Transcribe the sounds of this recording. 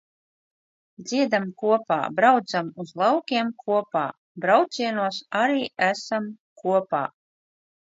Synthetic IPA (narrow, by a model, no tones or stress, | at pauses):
d̪z̥ʲiɛd̪amkuɔpa̰ːbɾawt̪zamuzlˠawkʲiɛmkuɔpaː | bɾawt̪sʲiɛnuɔsaɾiːæsam | kuɔpa̰ː